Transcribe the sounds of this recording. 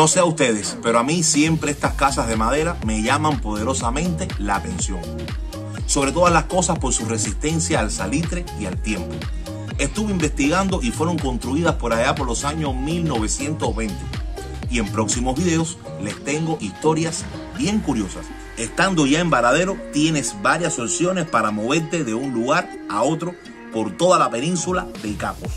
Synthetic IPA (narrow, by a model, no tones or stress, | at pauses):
no̞seaust̪e̞ðe̞speɾoamisje̞mpɾe̞est̪askasazðe̞mað̞e̞ɾame̞ʝamãmpo̞ð̞e̞ɾo̞samẽ̞nt̪e̞laːt̪e̞nsjo̞̰ŋ | so̞βɾe̞t̪o̞ðazlasko̞saspo̞ɾsure̞sist̪e̞nsjaːlsalit̪ɾeialt̪je̞mpo | e̞st̪uβeimbe̞st̪iɣand̪o̞ʔifwe̞ɾo̞ŋko̞nt̪ɾuiðaspo̞ɾaʝapo̞ɾlo̞saɲo̞smilno̞βe̞sje̞nt̪o̞zβẽ̞nt̪eie̞mpɾo̞ksimo̞zβiðe̞os | le̞st̪e̞ŋɡo̞ʔist̪o̞ɾjas | bje̞ŋkuɾjo̞sas | e̞st̪and̪o̞ʝae̞mbaɾað̞e̞ɾot̪je̞nesbaɾjasolsjo̞ne̞spaɾamo̞βe̞ɾt̪e̞ðe̞unluɣaɾ | ao̞t̪ɾo | po̞ɾt̪o̞ðalape̞nĩnsulaðe̞lkapos